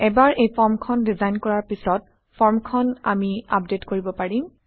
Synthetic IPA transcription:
ɛbaɹʔejpʰɔɹmkʰɔndizajnkɔɹaɹpisɔt̚ | pʰɔɹmkʰɔna̰mia̰p̚detkoɹibɔpaɹĩm

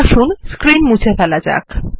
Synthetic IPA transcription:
ʃunskɾinmut͡ɕʰefɛlad͡ʑa̰k

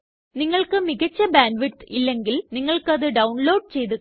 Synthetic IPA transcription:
niŋːɐɭkɨmiɣɐt͡ɕːɐbaːnɖʋiʈilːeŋɡilniŋːɐɭkɨɐðɨɖɐwnloːɖ̚t͡ɕejðɯ

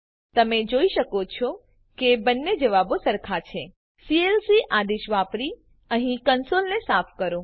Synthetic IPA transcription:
t̪əmed͡ʒoiʃəkot͡ʃʰo | kebənːed͡ʒəʋabosəɾkʰat͡ʃʰe | sielsiʔad̪iʃʋapɾi | əɦĩkənsolnesapʰkəɾo

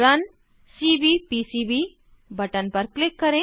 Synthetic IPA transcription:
ɾɐn | siːbipisiːbiː | bɐʈənpɐɾklɪkːɐɾẽː

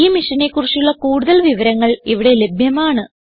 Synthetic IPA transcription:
iːmiʂɐnekːurt͡ɕːijuɭːɐkuːɽuðɐlʋiʋɐɾɐŋːɐɭiʋiɽe̞lebʱjɐmaːɳɨ

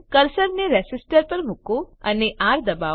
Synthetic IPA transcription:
kɐɾsəɾneɾɛsɪsʈəɾpɐɾmʊkoɐneʔaːɾd̪ɐbaː

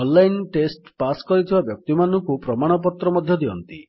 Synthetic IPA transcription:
ɔllajnʈesʈpaskɔɾit̪ʰibabjɔk̚t̪imanɔŋkupɾɔmaɽ̃ɔp̬ɔt̪ɾɔmɔd̪ʱjɔd̪iɔnt̪i

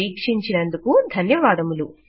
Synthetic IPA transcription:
iːkʂiɲt͡ʃinɐnd̪ukud̪ʱɐnjɐʋaːd̪ɐmulu

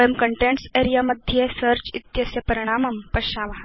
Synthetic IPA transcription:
jəmkɐɳʈẽɳʈseːɾijaːmɐd̪ʱjesɐɾt͡ʃit̪jɐsjɐpɐɾiɽ̃aːmɐmpɐʃaːmɐɦa

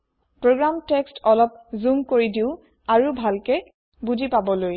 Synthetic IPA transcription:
pɹoɡɹamtekstʰɔlɔp̚zumkoɹidiʊ | aɹubʱalkɛ | bud͡ʒipabɔloj

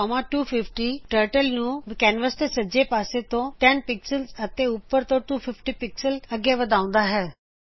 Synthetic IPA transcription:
mãːʈuːpʰɪpʰʈiːʈəːɾʈəlnũːkɛːnʋəst̪eːsəd͡ʒeːpaːseːt̪õːʈɛnpɪksəlzət̪eːʊpːəɾt̪õːʈuːpʰɪpʰʈiːpɪksələɡːjeːʋəd̪ãːʊ̃nd̪aːɦɛː

